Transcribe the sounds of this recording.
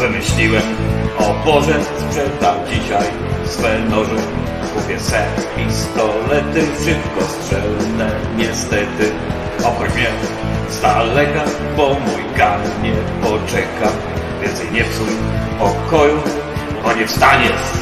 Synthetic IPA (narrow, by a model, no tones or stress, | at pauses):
vɨmɘɕlʲiwɛmɔpɔʐɛspʂɛnd̪amd͡ʑiɕaj | sfɛnɔʐɛ | kupʲjɛsɛpʲist̪ɔlɛt̪ɪfʂɘpkɔstʂɛlnɛɲɛst̪ɛt̪ɘ | ɔkɔt͡ɕmɲɛ | st̪alɛka | bɔmujkanɲɛpɔt͡ʂɛkam | vʲjɛnt̪sɛjɲɛft̪sumpɔkɔju | ɔɲɛfst̪aɲɛ